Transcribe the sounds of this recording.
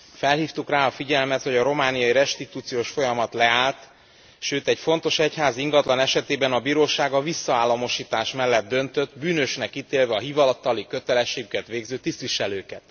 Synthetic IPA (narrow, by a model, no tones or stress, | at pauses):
fɛlhiːft̪ukraːɒfiɟɛlmɛt̪ho̞ɟɒɾo̞maːnijɒiɾɛʃt̪it̪uːt̪sijoːʃfo̞jɒmɒt̪lɛaːlt̪ | ʃøːt̪ɛɟfo̞nt̪o̞ʃɛchaːziŋɡɒt̪lɒnɛʃɛt̪eːbɛnɒbiːɾoːʃaːɡɒvisːɒaːlːɒmo̞ʃiːt̪aːʃmɛlːɛd̪̚d̪ːø̞nt̪ø̞t̪ːbyːnøʃnɛkːit̪eːlvɛɒɦivɒlɒt̪ːɒlikøt̪ɛlɛʃːeːɡykɛt̪ʋeːɡzøːt̪ist̪ʋiʃɛløːkɛt̪